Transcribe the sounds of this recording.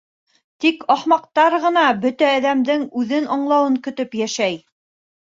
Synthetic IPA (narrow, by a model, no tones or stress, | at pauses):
t̪ikɑχmɑq̚t̪ɑɾʁɤ̆nɑbɵt̪æːðæmd̪ɘŋʉðɘnɑɴlˠɑwɤŋkɵ̆t̪ɵpjæʃæj